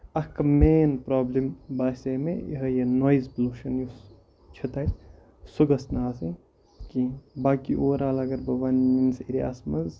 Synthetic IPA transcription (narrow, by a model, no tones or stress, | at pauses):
ɐkɐmeːnpɾoːblimbaːsemḛḭɦɐjɐnoːjizpluːʃɐnjus | t͡ʃʰɐt̪ɐj | suɡɐsnaːsɐ | kibaːkḭʔoːɾaːlɐɡɐɾbɐʋɐnminsiɾia̰smɐz